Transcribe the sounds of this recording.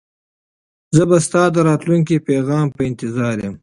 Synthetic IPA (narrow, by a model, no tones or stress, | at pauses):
zəbast̪ɑːd̪əɾɑːt̪luŋk̬ipeɣɑːmpəɪnt̪ɪzɑːɾjem